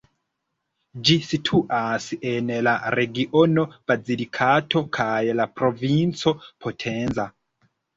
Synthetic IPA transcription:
d͡ʒisitʰuʔasiʔenlaɾeɡiʔonob̥ad͡zilikʰatʰo̞kʰajlapɾovint͡so̞pʰotʰenza

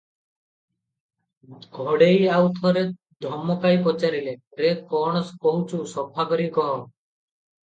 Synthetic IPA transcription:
ɡʱɔɽejawt̪ʰɔɾe | d̪ʱɔmɔkajpɔt͡ʃaɾile | ɾekɔɽ̃ɔskɔɦut͡ʃʰusɔpʰakɔɾikɔɦɔ

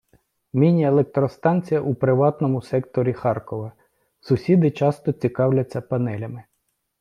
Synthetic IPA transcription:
mʲinʲiɐelˠek̚t̪ɾɔst̪ɑnʲt͡sʲijɐʔupɾɪʋɑt̪nɔmʊsɛkt̪ɔɾʲixɑrkɔʋɐ | sʊsʲid̪ɪt͡ʃɑst̪ɔt͡sʲikɑwlʲɐt͡sʲːɐpɐnɛlʲɐmɪ

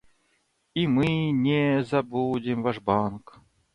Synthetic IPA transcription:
imɨnʲɛzɐbudʲɪmvaʂbank

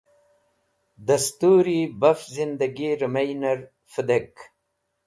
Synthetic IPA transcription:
d̪ɐst̪uːɾibɐfzind̪ɐɡiɾəmajnɐɾ | fəd̪ek

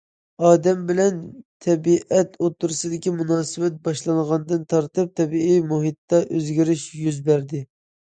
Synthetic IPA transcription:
ɑːd̪ɛmbɪlɛnt̪ʰɛbiʔɛt̪ʰot̪ːuɾsɨd̪ɪkʲimunɑːsɨbɛt̪̚bɑʃlˠɑŋʁɑnd̪ɨnt̪ʰɑɾt̪ɨp̚t̪ʰɛbiʔijmuɦit̪ːɑʔøzɡʲiɾɪʃjyzbæɾd̪ɪ

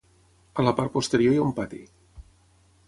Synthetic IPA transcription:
ələpart̪̚pust̪əɾiojaumpat̪ḭ

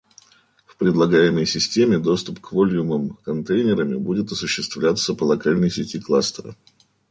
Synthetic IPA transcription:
fpɾʲɪd̪lˠɐɡajɪməjsʲɪsʲtʲemʲɪd̪o̞st̪ʊpkvo̞lʲjuməmkɐnt̪ejnʲɪɾəmʲɪbudʲɪt̪ɐsʊɕːɪst̪vlʲat̪səpəlˠɐkalʲnəjsʲɪtʲiklˠast̪əɾə̰

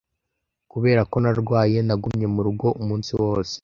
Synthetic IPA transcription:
kuβe̞ːɾako̞naɾɡwaːje̞naɡumɲe̞muɾuɡo̞ʔumuːnsiwo̞ːse̥

